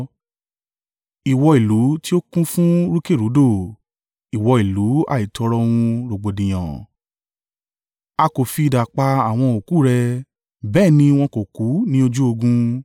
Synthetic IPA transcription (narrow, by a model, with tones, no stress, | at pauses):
i˨wɔ˧i˨lu˨˦ti˦o˦kũ˦fũ˦ɾu˦ke˦˨ɾu˨˦do˦˨ | i˨wɔ˧i˨lu˨˦a̰˦˨i˨tʰɔ˧ɾɔ˧w̃ũ˧ɾo˨ɡ͡bo˨dĩ˨j̃ɔ̰̃˨ | a˧ko˨fi˧i˧˨da˨k͡pa˧a˨w̃ɔ̃˧o˨ku˨˦˨ɾɛ˧ | bɛː˦˨nĩ˧˦w̃ɔ̃˧ko˨ku˨˦nĩ˦o˧d͡ʒu˦o˧ɡũ˧